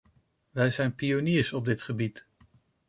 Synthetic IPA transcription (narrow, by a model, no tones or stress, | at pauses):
ʋɛjzɛjnpioniːɹsɔb̚dɪtχəbit